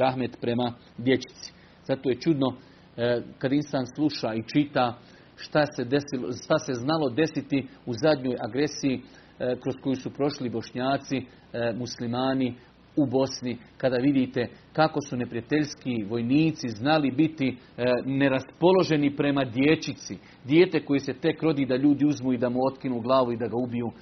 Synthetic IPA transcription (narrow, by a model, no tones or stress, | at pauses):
aɦme̞t̪pɾe̞ma | d̪je̞t͡ɕi̥t̪si̥ | z̥at̪o̞ːje̞t͡ʃud̪no̞ | kad̪ainst̪aːnslˠuʃaːit͡ʃit̪aː | ʃt̪ased̪esilʃt̪ase̞znalo̞d̪e̞sit̪iuzad̪ʲɲo̞ːjaɡɾe̞siji | kɾo̞sko̞jusupɾo̞ʃlibo̞ʃɲaːt̪si | muslimaːni | ubo̞snikad̪aːʋid̪iːt̪e̞kako̞sune̞pɾijat̪e̞ʎskiʋo̞jniːt̪siznalibit̪i | ne̞ɾaspo̞lˠo̞ʒe̞nipɾe̞mad̪je̞t͡ʃit̪si | d̪jeːt̪e̞ko̞jese̞t̪e̞kɾo̞d̪iːd̪aʎuːd̪iuzmuid̪amuo̞t̪kinuːɡlˠaːʋuid̪aɡaubijuː